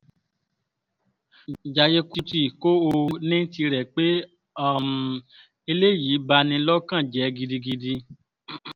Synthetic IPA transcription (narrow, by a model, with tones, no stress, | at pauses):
d͡ʒa˨je˧ku˧ti˦˨ko˦o˧nĩ˦n˦ti˧ɾɛ˨k͡pe˦˨ | m˨ | e˧le˦˨ji˨˦ba˧nĩ˧lɔ˦kã˦˨d͡ʒɛ˨˦ɡi˧di˧ɡi˧di˧